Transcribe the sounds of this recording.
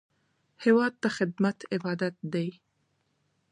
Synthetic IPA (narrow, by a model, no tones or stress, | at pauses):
hewɑːd̪̚ːaxɪd̪̚mat̪ʰɪbɑːd̪at̪̚d̪aj